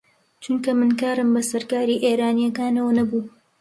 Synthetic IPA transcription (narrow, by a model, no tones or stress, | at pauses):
t͡ʃuŋkɐmɨnkaːɾɨmbɐsɐɾkaːɾiːʔeːɾaːnijɐkaːnɐwɐnɐbuː